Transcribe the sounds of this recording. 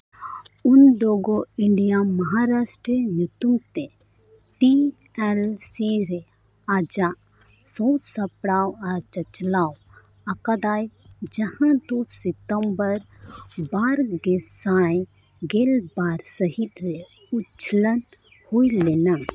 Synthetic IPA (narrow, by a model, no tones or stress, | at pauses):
undɔɡɔiɳɖijamɐɦaɾasʈɾənut̪umt̪ɛ | t̪i | ɛlsiɾɛ | ad͡ʒaʔ | sɔt͡ʃsɐpɽawɐɾt͡ʃɐt͡ʃlaw | ɐkad̪ajd͡ʒɐhãt̪ɔsɛt̪əmbəɾbaɾɡesaj | ɡelbaɾsəɦit̪̚ɾɛ | utt͡ʃʰələn | hujlɛna